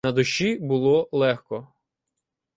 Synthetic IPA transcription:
ɐd̪ʊʃibʊlˠɔlˠɛxkɔ

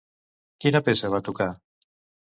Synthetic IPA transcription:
kinapesaβ̞at̪uka

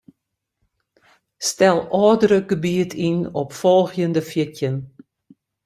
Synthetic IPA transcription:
stɛlˠɑːdəɾəɡ̥əbiətʰinɔpfɔlˠxjəndəfətjən

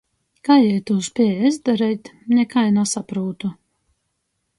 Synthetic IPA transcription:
kaːjɛjt̪uːspʲiɛjɛzd̪aɾɛjt̪nʲɛkajnasapɾuːt̪u

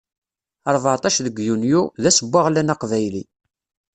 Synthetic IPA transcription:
ɑɾˤvaʕt̪ˤɑʃðəɡjunjuðæsəbːaʁlænɑqvæjli

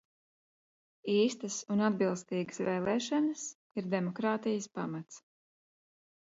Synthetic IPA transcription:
iːst̪əsunad̪̚bilˠst̪iːɡə̥svɛːlˠɛːʃanəs | iɾd̪ɛmɔkɾaːt̪ijəspamat̪s

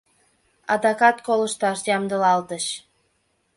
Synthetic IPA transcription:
ɑd̪ɑkɑt̪koləʃt̪ɑʃjɑmd̪əlɑlt̪əʃ

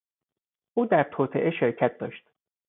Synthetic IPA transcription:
ʔuːd̪æɾt̪ʰoːt̪ʰḛʔeʃeɾcʰæt̪̚d̪ɒːʃt̪

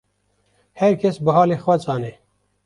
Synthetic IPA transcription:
heɾkesbəɦɑːlixwɐt͡sɑːne

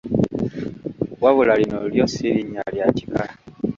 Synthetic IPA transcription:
waβulalinoljosiɾiɲaljaci̥ka

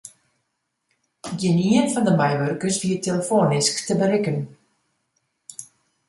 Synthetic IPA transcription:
ɡɪniənfɑndəmɛjʋœrkəsviəteləfoːnɪsktəbəɾɪkən

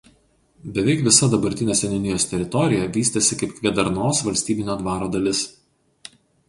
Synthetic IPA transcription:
bʲɛʋʲɛɪkʋʲɪsɐd̪ɐbɐɾʲt̪ʲɪnʲeːsʲɛnʲʊnʲɪjoːst̪ʲɛɾʲɪt̪ɔɾʲɪjɛʋʲiːsʲt̪ʲɐsʲɪkɐɪpkʋʲiɛd̪ɐɾnoːsʋɐlʲsʲt̪ʲiːbʲɪnʲoːd̪ʋɑːɾoːd̪ɐlʲɪs

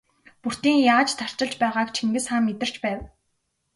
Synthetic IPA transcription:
pur̥t̪iːŋjaːt͡ɕt̪ʰar̥t͡ɕɪ̆ɮt͡ɕpæːʁaːkt͡ɕʰiŋɡɘ̆sχaːmːet̪ɪ̆r̥t͡ɕpæːw

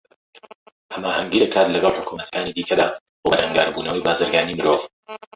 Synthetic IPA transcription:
hɐmaːhɐŋɡiːd̪ɐkʰaːt̪lɐɡɑlˠħʊkʰumɐt̪ʰɐ̥kaːnid̪iːkʰɐd̪aː | bobɐɾhɐŋɡa̰ːɾbuːnɐwɐjbaːzɨɾɡaːnimɨɾoːv

